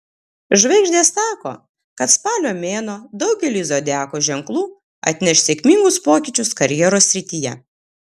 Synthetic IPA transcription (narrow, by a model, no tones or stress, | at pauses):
ʒʋɐɪɡʒʲd̪ʲeːsːɑːko̰ː | kɐt̪spɑːlʲoːmʲeːnoːd̪ɐʊɡʲɛlʲiːzoːd̪ʲæːkoːʒʲɛŋklˠuː | ɐ̰t̪ʲnʲɛʃʲsʲeɛkʲmʲiŋɡʊspoːkʲɪːt͡ʃʲʊskɐɾʲjɛːɾoːsʲɾʲɪt̪ʲijɛ̰